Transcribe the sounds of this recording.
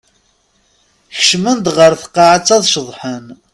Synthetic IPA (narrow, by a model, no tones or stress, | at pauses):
çə̥ʃmənd̪ʁəɾθə̥qːɑʕat͡sːɑðˤʃəðˤħən